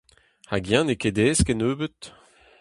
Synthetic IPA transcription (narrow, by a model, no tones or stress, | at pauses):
haɡjãneked̪eːskɛnøːbət̪